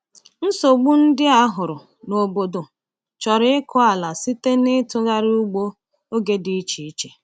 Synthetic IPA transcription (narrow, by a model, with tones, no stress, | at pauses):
n̩˦so˨ɡ͡bu˦n̩˦dɪ˦a˦ɦʊ˨ɾʊ˨ | no˨bo˨do˨ | t͡ʃɔ˨ɾɪ˦ɪ˦kʊ˦a˨la˨si˦te˦nɪ˦tʊ˦ɣa˦ɾu˦ɡ͡bo˦ | o˦ɡe˦di˦t͡ʃi˨i˦t͡ʃe̥˨